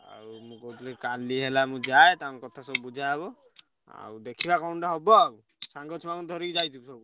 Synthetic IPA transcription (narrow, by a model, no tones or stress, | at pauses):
a̰ɾumũkɔut̪ʰilekaliɦelamũd͡ʒaet̪aw̃ŋkɔt̪ʰasɔbubud͡ʒʱabɔ | a̰wd̪ekʰibakawɳʈaɦɔbɔaw | saŋɡɔt͡ʃʰɔmaɡɔd̪ʱɔɾid͡ʒajt̪ʰibusɔb